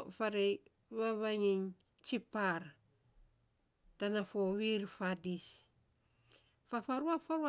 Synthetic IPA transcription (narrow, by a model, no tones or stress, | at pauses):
faɾej | βaβaŋiŋ | t͡ʃipaɾ | tanafoβiɾfadis | fafaɾuafaɾua